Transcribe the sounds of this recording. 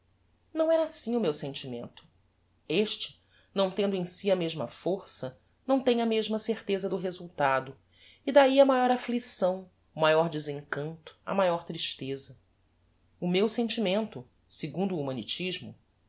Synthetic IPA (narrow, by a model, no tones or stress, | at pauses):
nɐ̃w̃ɛɾɐasĩʊmewsẽnt͡ʃimḛ̃nt̪ʊ̥ | eʃt͡ʃɪ̥ | nɐ̃w̃t̪ẽnd̪ʊẽj̃siɐmeʒmɐfoɾsɐ | nɐ̃w̃t̪ẽj̃ɐmeʒmɐseɾt̪ezɐd̪ʊɦezuwt̪ad̪ʊ | id̪aiɐmajɔɾaflisɐ̃w̃ | ʊmajɔɾd͡ʒezẽŋkɐ̃nt̪ʊ̥ɐ̰majɔɾt̪ɾiʃt̪ezɐ | ʊmewsẽnt͡ʃimẽnt̪ʊ | seɡũnd̪ʊːmɐ̃nit͡ʃiʒmʊ